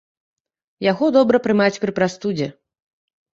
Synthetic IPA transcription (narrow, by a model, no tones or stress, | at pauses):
jaɣɔd̪ɔbɾɐpɾɨmat͡sʲpɾɨpɾast̪ud͡zʲɛ